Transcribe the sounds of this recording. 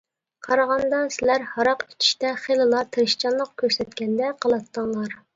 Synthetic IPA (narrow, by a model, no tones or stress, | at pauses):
qʰɑɾɑʁɑnd̪ɑnsɪlæɾhɑɾɑqi̥t͡ʃʰi̥ʃt̪ɛχelɨlˠɑt̪ʰeɾɨʃt͡ʃʰɑnlˠəq̚kʲʰøɾsɛt̪̚kʲɛnd̪ɛqʰəlˠɑt̪ːəŋlˠɑɾ